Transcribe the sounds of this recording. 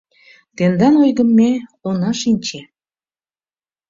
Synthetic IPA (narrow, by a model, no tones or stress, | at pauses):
t̪end̪ɑnojɣəmːeonɑʃinʲt͡ɕe